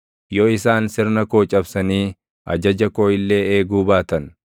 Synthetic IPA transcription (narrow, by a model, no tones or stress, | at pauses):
jɔɪsaːnsɪɾnɐko̞ːt͡ʃʼɐbsɐniː | ʔɐ̰d͡ʒɐd͡ʒɐko̞ːjɪlːe̞ːeːɡuːbaːt̪ɐn